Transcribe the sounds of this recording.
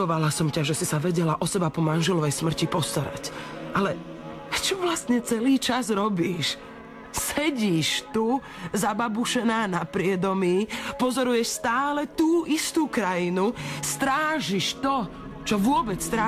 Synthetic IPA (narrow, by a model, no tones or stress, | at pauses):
ɔʋalasɔmcaʒɛsisaʋɛɟɛlaʔɔsɛbapɔmanʒɛlɔʋɛjsmr̩cipɔst̪aɾa̰cʔalɛ | t͡ʃɔʋlast̪ɲɛt͡sɛliːt͡ʃazɾɔbiːʃ | sɛɟiːʃt̪u | zababuʃɛnaːnapɾɪɛd̪ɔmiːpɔzɔɾujɛʃst̪aːlɛt̪uːʔist̪uːkɾajinust̪ɾaːʒiʃt̪ɔ | t͡ʃɔʋʊɔbɛt͡st̪ɾa